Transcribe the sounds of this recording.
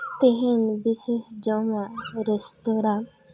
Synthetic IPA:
t̪eɦenbisesd͡ʒɔmaɾɛst̪oɾã

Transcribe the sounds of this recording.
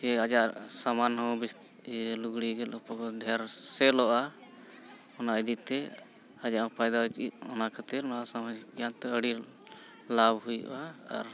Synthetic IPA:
ɛad͡ʒaʔsamanɦɔ̃wbist̪ | luɡɽiɡɛlɔpɔkɔd̪ʱɛjaɾsɛlɔʔa | ɔnaid̪it̪ɛ | ad͡ʒaʔɔ̃pajd̪awɛt͡ʃḭt̪̚ɔnakʰat̪iɾnɔɦasamad͡ʒɡjant̪ɛəɽi | labhujṵʔa̰ːɾ

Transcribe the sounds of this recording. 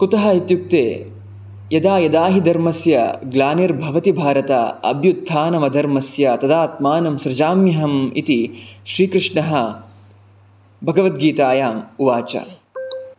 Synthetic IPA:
kut̪ɐɦɐit̪juk̚t̪ḛː | jɐd̪aːjɐd̪aːɦid̪ɐɾmɐsjɐ̰ɡlaːneɾbʱɐʋɐt̪ibʱaːɾɐt̪a̰ɐ̰bʱjud̪ʱʰːaːnɐmɐd̪ʱɐɾmɐsjɐt̪ɐd̪aːt̪maːnɐmʃɾɐd͡ʒaːmjɐɦɐmḭt̪iʃɾiːkɾɪʂɳɐɦɐ | bʱɐɡɐʋɐt̪̚ɡiːt̪aːjaːmuʋaːt͡ʃɐ̰

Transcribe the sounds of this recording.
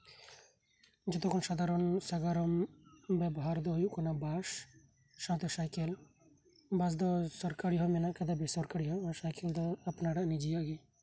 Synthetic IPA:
d͡ʒɔt̪ɔkʰɔnsad̪ʱaɾɔnsaɡaɾɔmbɛbɔɦaɾd̪ɔɦjuʔkɔnabaʃ | sat̪ɔsajkel | bas̬d̪ɔsɔɾkaɾiɦɔmɛnaʔkad̪abesɔɾkaɾiɦɔɔsajkeld̪ɔapnaɖaʔnid͡ʒijaɡɛ

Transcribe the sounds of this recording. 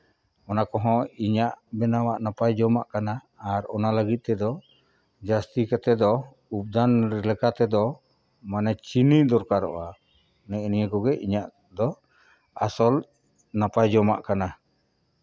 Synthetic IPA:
ɔnakɔɦɔ̃iɲaʔbɛnawaʔnapajd͡ʒɔmaʔkanaː | ɾɔnaləɡit̪̚ˀt̪ɛd̪ɔ | d͡ʒast̪ikat̪ɛd̪ɔ | up̚d̪anɾɛlɛkat̪ɛd̪ɔ | manɛt͡ʃinid̪ɔɾkaɾɔ̰ʔa | nɛnijəkɔɡɛʔiɲaʔ | d̪ɔ | asɔl | napajd͡ʒɔma̰ʔkana

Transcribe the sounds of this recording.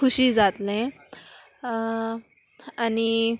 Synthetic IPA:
uɕid͡zat̪lẽ | ani

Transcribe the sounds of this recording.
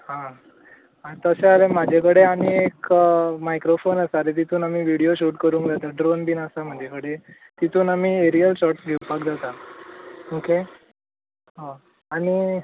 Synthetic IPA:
hã | at̪əsealemad͡ʑʱakəɽeaniekmajkɾofonəsaɾet̪̬it̪ʰuːnamiːʋiɽijoɕuʈkəɾuːŋkd͡zat̪aɖɾonbiːnəsam̤əd͡ʑʱakəɽe | t̪it̪ʰuːnamiːeɾijəlɕɔʈsɡʱewpakd͡zat̪a | okʰe | ɦo | aɽ̃i

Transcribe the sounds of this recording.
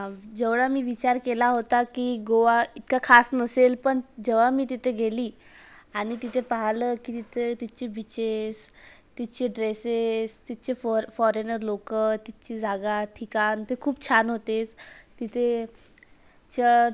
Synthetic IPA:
ad͡ʑeʋɽamiːʋit͡ɕaɾkelaɦot̪akiɡoʋait̪kakʰasnəselpəɳd͡ʑeʋamiːt̪it̪ʰeɡʱeliː | aɽ̃it̪it̪ʰepaɦaləkiːt̪it̪ʰet̪it͡ɕebit͡ɕes | t̪it͡ɕeɖɾesest̪it͡ɕeffɔɾenəɾlokət̪it͡ɕiːd͡zaɡaʈʰikant̪ekʰuːp̚t͡ɕʰanɦot̪et͡st̪it̪ʰe | t͡ɕə

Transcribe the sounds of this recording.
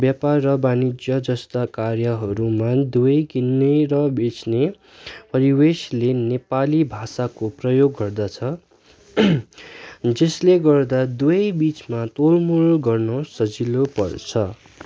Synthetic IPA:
bjaparːʌbanid͡zjʌd͡zʌst̪akarjʌɦʌɾumad̪uʌjkinːeɾʌbet͡sne | pʌɾiweslenepalibʱasakoprʌjoɡːʌrd̪at͡sʰʌ | d͡zesleɡʌrd̪ad̪uʌjbit͡smat̪olmulɡʌrnʌsʌd͡zilopʌrt͡sʰʌ

